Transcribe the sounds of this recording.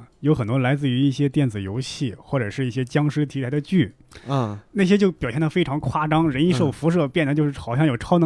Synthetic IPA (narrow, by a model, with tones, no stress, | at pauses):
jo˧˥ʊxə˨˩nt̪wɔ˥la˧˥ɪt͡sɹ̩˥˩y˧˥i˥˩ɕjɛ˥t̪jɛ˥˩nd͡zɹ̩˨˩jo˧˥ʊɕi˥˩xwɔ˥˩ʈ͡ʂɤ˨˩ʂɻ̩˥˧i˥˩ɕjɛ˥t͡ɕjɑ˥ŋʂɻ̩˥t̪ʰi˧˥la˧˥d̪ə˧t͡ɕy˥˩˧ | na˥˩ɕjɛ˥t͡ɕjo˥˩ʊpjʊjnd̪fe˥ʈ͡ʂʰɑ˧˥ŋkʰwa˥˩ʈ͡ʂɑ˥ŋɻə˧˥ni˧˥ʂo˥˩ʊfu˧˥ʂ̬ɤ˥˧pjɛ˥˩nd̪ə˩t͡ɕo˥˧ʊʂɻ̩˥˩xɑ˨˩ʊɕjɑ˥˩˧jo˨˩ʈ͡ʂʰɑ˥ʊnɤ˧˥